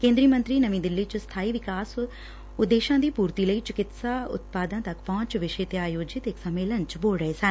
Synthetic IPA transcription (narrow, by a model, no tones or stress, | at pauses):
kẽːnd̪ɾiːmə̃nt̪ɾiːnəʋĩːd̪ɪlːiːt͡ʃst̪ʰaːiːʋɪkaːs | ʊd̪ːeːʃãːd̪iːpuːɾt̪iːləiːt͡ʃɪkɪt̪saːʊ̰t̪̚paːd̪ãːt̪ɐkpɔ̃ːt͡ʃʋɪʃeːt̪eaːjoːd͡ʒɪt̪ɪksəmeːlənt͡ʃboːlɖɾəeːsən